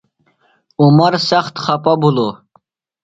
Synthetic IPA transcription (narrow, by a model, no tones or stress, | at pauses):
umɐɾsɐχt̪χɐpabʱulo